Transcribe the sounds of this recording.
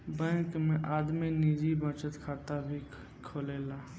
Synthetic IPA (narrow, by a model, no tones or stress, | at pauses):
bɛ̃ːkmẽʔaːd̪minid͡ʒibət͡ʃət̪kʰaːt̪abʱi | kʰoːleːlaː